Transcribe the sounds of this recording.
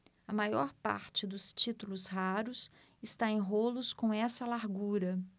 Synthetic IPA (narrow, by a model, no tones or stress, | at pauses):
ɐmajɔɾpa̰ɾt͡ʃɪd̪ʊst͡ʃit̪ulʊshaɾʊs | ɪst̪aẽj̃ɦolʊskõw̃ɛsɐlaɾɡuɾɐ